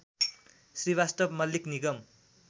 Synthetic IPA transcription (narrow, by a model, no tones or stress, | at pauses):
sriwast̪ʌbmʌlːikniɡʌm